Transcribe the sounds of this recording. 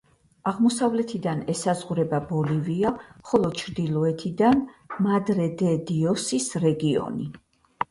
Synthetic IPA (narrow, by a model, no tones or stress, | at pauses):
aʁmɔsavlɛt̪ʰid̪anɛsazʁuɾɛbabɔliviaχɔlˠɔt͡ʃʰɾd̪ilˠɔɛt̪ʰid̪anmad̪ɾɛd̪ɛd̪iɔsisɾɛɡiɔ̰ni